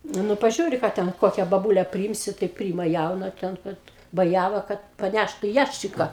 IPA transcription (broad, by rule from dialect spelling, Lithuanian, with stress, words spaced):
ˈnʊ pɐˈʒʲuːrʲɪ ˈkɑː ˈtʲɛn ˈkoːkʲɛ bɐˈbuːlʲɛ pʲrʲɪˈiːmʲsʲɪ tɐɪ ˈpʲrʲiːɪmɐ ˈjɛʊnɐ ˈtʲɛn ˈkɐt bɐˈjæʋɐ kɐt pɐˈnʲæʃtʊ ˈjæʃʲt͡ʃʲɪkɐ